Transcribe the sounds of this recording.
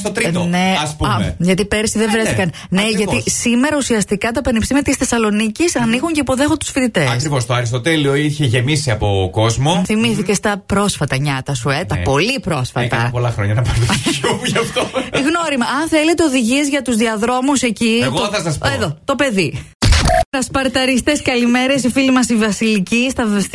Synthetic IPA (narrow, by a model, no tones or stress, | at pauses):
st̪ot̪ɾit̪neɐspuʝɐt̪ipeɾsiðevɾeθikɐn | ne̞ʝɐt̪isime̞ɾɐusiɐst̪ikɐt̪ɐpenipst̪imiɐt̪isθe̞sɐlo̞nicisɐnixuɲce̞ipo̞ðe̞xot̪u̥sfit̪it̪eɐsɾivost̪oɐɾist̪ot̪elio̞içe̞ʝe̞misiɐpo̞ko̞zmo̞θimiθice̞st̪ɐpɾo̞sfɐt̪ɐɲɐt̪ɐsuet̪ɐpo̞lipɾo̞sfɐ̰t̪ɐ̰po̞lɐxɾoɲɐnɐpɐɾt̪ouʝɐft̪oɣno̞ɾimɐɐnθele̞t̪eo̞ðiʝie̞zʝɐt̪uzðiɐðɾo̞muse̞citɣoθɐsɐspeðot̪o̞pe̞ði | ɐspɐɾt̪ɐɾist̪eskɐlime̞ɾe̞sifilimɐsivɐsilicist̪ɐvs